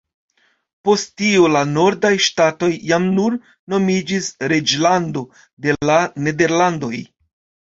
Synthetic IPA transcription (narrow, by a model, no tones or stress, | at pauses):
po̞sttiolano̞ɾdajʃtato̞jːamnuɾ | no̞mid͡ʒisɾe̞d͡ʒlando̞ | de̞lane̞de̞ɾlando̞j